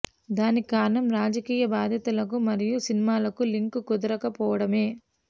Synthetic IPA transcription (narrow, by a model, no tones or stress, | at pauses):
d̪aːnikaːɾɐnɐmɾaːd͡ʒɐkiːjɐbaːd̪ʱjɐt̪ɐlɐk̬umɐɾijusinimaːlɐkuliŋkkud̪ɐɾɐkɐpɔːʋɐɽɐme̞ː